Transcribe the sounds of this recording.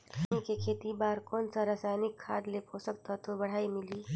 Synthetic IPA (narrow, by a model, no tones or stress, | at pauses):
ikekʰeːt̪ibaːɾkoːnsaɾaːsajnɪkʰːaːd̪lepɦosəkt̪at̪obɐɽ̤aːimɪliː